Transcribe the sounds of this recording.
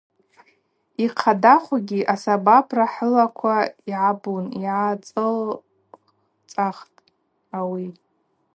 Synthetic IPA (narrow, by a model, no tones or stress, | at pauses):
iqʰadaχʷaɡʲiʔasabapʰraħəlakʷʰaiʕabuniʕat͡sʼɨl | t͡sʼaχtʼ | awi